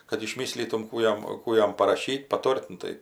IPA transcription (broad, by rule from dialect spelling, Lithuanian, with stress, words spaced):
kɐt ɪʃʲˈmʲiːsʲlʲiːtʊm ˈkuː jɛm ˈkuː jɛm pɐrɐˈʃʲiːt pɐˈtoːrʲtʲ ˈnʊ tɐɪ